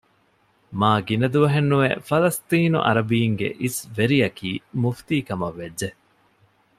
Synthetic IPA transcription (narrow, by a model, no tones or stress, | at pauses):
maːɡinɐd̪uʋɐɦenːuʋḛfɐlɐst̪iːnṵʔɐ̰ɾɐbiːŋɡḛʔisʋeɾijɐkʰiːmuft̪iːkɐmɐʋːedːe